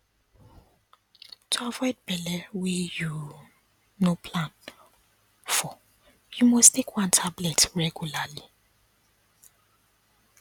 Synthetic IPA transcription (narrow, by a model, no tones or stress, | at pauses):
tʰuavɔjd̚bɛlɛweju | nopʰlãn | fɔ | jumostʰekʰwãntʰablɛtɹɛɡjulali